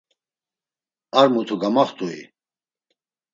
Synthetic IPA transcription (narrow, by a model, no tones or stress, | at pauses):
aɾmut̪ʰuɡamaχt̪ʰʼuḭ